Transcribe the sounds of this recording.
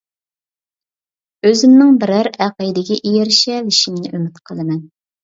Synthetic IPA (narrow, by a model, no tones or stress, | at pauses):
øzɪmnɪŋbɪɾæɾæqəd̪ɪɡʲɛʔijeɾʃɛliʃimnɪʔømɪt̪qʰəlˠɨmɛn